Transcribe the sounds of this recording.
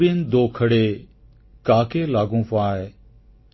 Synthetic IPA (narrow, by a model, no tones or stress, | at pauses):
iənd̪oːkʰəɽeː | kaːkeːlaːɡũːpaːɦeː